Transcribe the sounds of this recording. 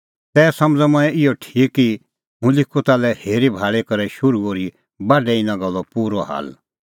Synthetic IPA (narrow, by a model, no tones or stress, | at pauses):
t̪ɛːsɐmd͡zamɐ̃ɛ̃ɪɔʈʰiːkːi | ɦũlɪkʰːot̪aːlɛheːɾibʱaːɭekɐɾɛʃʊɾuoɾi | baːɖɛɪnãɡɐlːɔpuːɾɔɦa̰ːl